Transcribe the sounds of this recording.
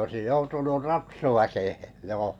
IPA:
oĕsij joutunur rɑtsuʋækehe joː

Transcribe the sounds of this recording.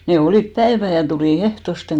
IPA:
ne oliˑp pæeʋæ jɑ tuliˑ ehtosteŋ

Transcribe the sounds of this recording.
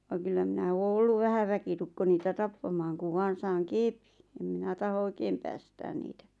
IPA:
ʋɑŋ̆ kylːæ minæ oː olːuʋ ʋæhæ ʋækitukːo niːtæ tɑpːɑmɑːŋ kuʋ ʋɑːn̞ sɑːŋ keˑpi̥n̥ em minæ tɑho oĭkeːm pæːstæːn niːtæ

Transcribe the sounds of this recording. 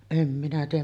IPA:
em minæ tiːj̆æm

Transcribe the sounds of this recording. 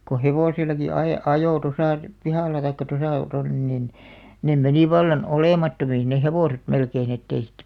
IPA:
ko heʋoˑsilˑɑki ɑe ɑjoˑ tosɑˑ pihɑˑlˑɑ tɑikːɑ tosɑˑ tonːen nin nem meni ʋɑlːɑn oleˑmɑtːomiːn neh heʋoˑset melkein etːei siːtːæ̆

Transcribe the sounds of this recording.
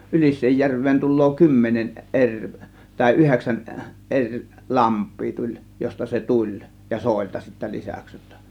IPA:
ylisˑeːjːærʋˑeːn tulˑoː kymːenen erʲ tɑˑe̝ yheksæn ʔerʲ lɑmpˑiː tulʲ jostɑ se tulʲ jɑ soˑe̝ltɑ sitːæ lisæks jotːɑ

